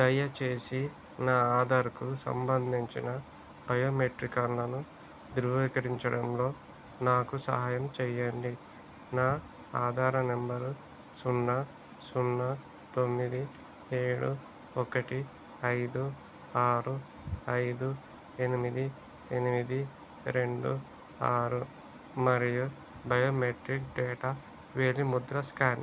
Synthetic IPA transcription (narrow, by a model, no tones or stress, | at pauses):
d̪ɐjɐt͡ʃe̞ːsi | naːaːd̪aːɾkusɐ̰mbɐnd̪ʱiɲt͡ʃinɐ | bɐjoːmeʈɾikanlɐnu | d̪iɾʋɐʋiːkɐɾiɲt͡ʃɐɽɐmlo̞ː | naːkusɐ̰ɦaːjɐmt͡ʃɛjɐɳɖi | naː | aːd̪ʱaːɾɐnembɐɾu | sunːɐ | sunːɐ | t̪o̞mːid̪i | eːɽu | ɔkɐʈi | ɐjd̪u | aːɾu | ɐjd̪u | e̞nimid̪i | e̞nimid̪i | ɾe̞ɳɖṵ | aːɾu | mɐɾiju | bɐjoːmeʈɾikɖɛːʈa | ʋeːlimud̪ɾɐskaːn